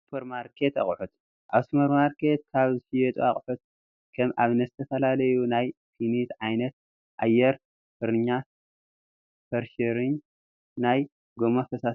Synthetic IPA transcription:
supʰɐɾmaɾkʰet̪a̰χʼħut̪ | ʔasmɐɾmaɾkʰe̞t̪̚kʰaβzɨʃijɛt̪ʼṵaχʼħut̪̚ | kʰɐmʔaβnɐzɨt̪ʰɐfɐlalɐjunajfʰinit̪ʕajnɐt̪̚ | ʔajːɛɾ | fɨɾɨɲːa | fɐɾʃɐɾɨɲ | naj | ɡomofɐsa

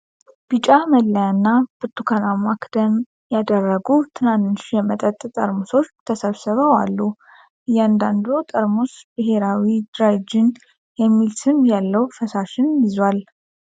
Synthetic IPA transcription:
b̥it͡ʃʼaməlːəjanːab̥ɨt̪ʰːukʰanamakd̪̥əm | jad̪ərːəɡut̪ʰɨnant̪ʃijɛmət̪ʼət̪ʼt̪ʼəɾmuso̞t͡ʃːt̪ʰəsəβsɨβəwalːu | ʔɨjand̪and̪ot̪ʼəɾmusbɨɦe̞ɾawid̪ɾad͡ʒɪn | jɛmːilsɨmjalːəwfəsaʃɪnjɪzwal

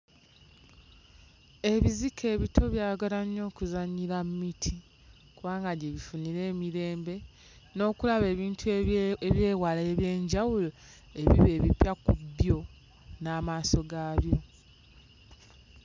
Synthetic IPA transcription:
e̞βizikʰe̞ːβitʰo̞βjaːɡalaɲːo̞ːkuzaɲiɾammitʰi | kuβaːŋɡaɟeβifuniɾe̞ːmiɾe̞ːmbe̞ | no̞ːkulaβe̞ːβiːntʰueβje̞ːwaleβje̞ːɲɟawulo | e̞βiβe̞ːβipjakubjo̞ | naːmaːso̞ɡaːβjo̞

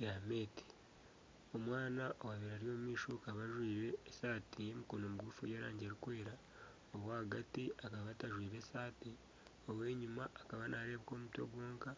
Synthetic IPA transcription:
jame̞ːti̥ | o̞mwaːnaʔowaβiɾaɾjo̞ːmumiːʃokaβaʒwiːɾe̞ːsaːtije̞mikonomɡufojeːɾaːɲɟeɾikwe̞ːɾa | oβwahaɡatiakaβataʒwiːɾe̞saːti | oβwe̞ːɲumaːkaβanʔaɾe̞ːβko̞ːmuto̞̰ɡwo̞ːŋka

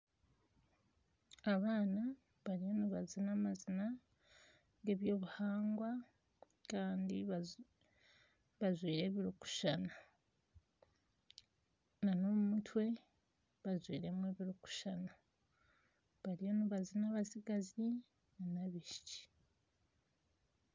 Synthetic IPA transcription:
aβaːna | βaɾijo̞niβazinamazina | ɡe̞ːβjo̞ːβuhaːŋɡwa | kaːndi | βazwiːɾe̞ːβiɾuku̥ʃana | nano̞ːumutʰwe̞ | βazwiːɾe̞mwe̞ːβiɾuku̥ʃana | βaɾijo̞niβazinaβasiɡazi | nanaβiʃi̥ci̥

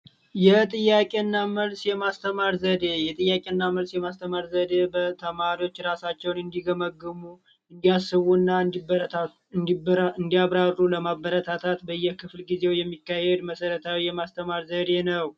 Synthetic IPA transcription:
jɛt̪ʼɨjːakʼe̞ɨnːaməlsjɛmast̪ʰəmaɾzəd̪e̞jɛt̪ʼɨjːakʼe̞ɨnːaməlsjɛmast̪ʰəmaɾzəd̪e̞bət̪ʰəmaɾiwo̞t͡ʃːɾasat͡ʃːɛwnɨnd̪iɡəməɡːɨmu | ɨnd̪ijasːɨβunːa | ɨnd̪iaβɾarːuləmabːəɾət̪ʰat̪ʰat̪bəjːɛhkʰɨflɡize̞wjɛmːikːahed̪məsəɾət̪ʰawijɛmast̪ʰəmaɾzəd̪e̞nəw

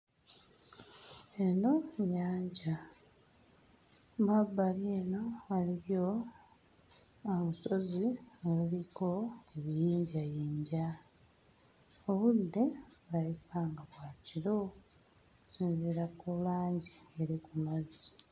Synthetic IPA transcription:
e̞no̞ɲaːɲɟa | babːaljeːno̞βaliɾjo̞ | aβuso̞zioluliko̞eβijiːɲɟajeːɲɟa | oβud̪ːe̞βulajikʰaːŋɡaβwaːciɾo̞ | usiːnziɾakulaːɲɟieɾikumazi

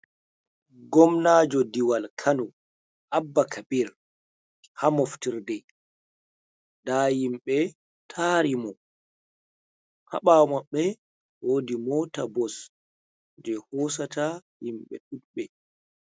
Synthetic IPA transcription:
ɡɔmnad͡ʒɔdiwalkʰanu | ʔabːakʰabiɾ | hamɔftiɾdɛ | dajimɓɛ | tʰaɾimɔ | ha̰ɓamaɓːɛ | woːdimɔtabɔs | d͡ʒɛhɔs̬atajimɓɛ̰ɗuɗɓɛ

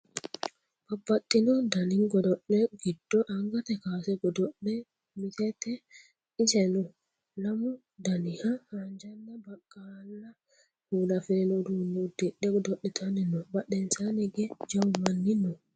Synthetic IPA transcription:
b̥abːatːinɔdaniŋɡɔdɔɗːɛɡidːɔʔaŋɡatɛkasɛɡɔdɔɗːɛ | mitɛtɛ | isɛnɔ | lamu | danihahand͡ʒanːabakːalːa | hulafɛɾnɔdunudɛɗɛɡɔdɔɗːɛtʰanɛnɔbaɗɛnsanɛɡɛd͡ʒawmanːinɔ

